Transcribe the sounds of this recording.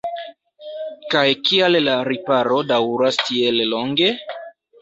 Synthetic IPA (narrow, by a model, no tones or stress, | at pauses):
kajkiallaɾipaɾo̞dawɾastʰielloŋɡe̞